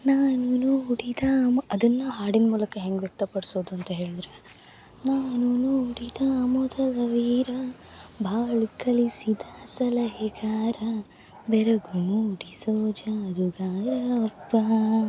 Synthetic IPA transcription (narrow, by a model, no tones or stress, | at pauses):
naːnunuuɽid̪ɐmɐd̪ɐnːɐɦaːɽinmuːlɐkɐɦeŋɡʋjɐk̚t̪ɐpɐɽsoːd̪uɐnt̪ɐɦe̞ːɭud̪ɾe | naːnunuuɽid̪ɐːmod̪ɐdɐʋiːɾɐ | bʱaːɭikɐlisid̪ɐsɐlɐɦeɡaːɾɐ | bɛɾɐɡunuɖisoːd͡ʒɐd̪uɡaːlɐɐpːɐ